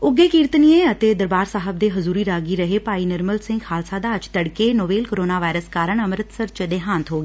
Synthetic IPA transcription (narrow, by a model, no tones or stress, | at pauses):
ʊɡːeːkiːɾt̪nieːət̪eːd̪əɾbaːɾsaːɦəb̚d̪eːɦʊzuːɾiːɾaːɡiːɾəɦeːpaːiːnəɾməlsɪ̃ŋɡhaːlsaːd̪aːət͡ʃt̪əɽkeːnoːʋeːlkoːɾoːnaːʋaːɾəskaːɾəɳəmɾət̪səɾt͡ʃd̪eːɦãːnt̪ɦoːɡeː